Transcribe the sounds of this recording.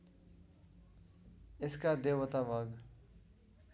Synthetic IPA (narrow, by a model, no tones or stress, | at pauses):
ɪskad̪eːʋət̪aʋaɡ